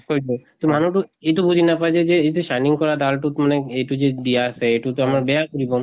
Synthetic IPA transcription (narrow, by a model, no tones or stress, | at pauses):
kod͡ʒot̪om̤ʱanuʈueʈubud͡ʑʱinapad͡ʑed͡ʑeet̪eʃajniŋkɔɾad̪alʈut̪maneejʈud͡ʑed̪iaseeʈut̪oamaɾbeakoɾibo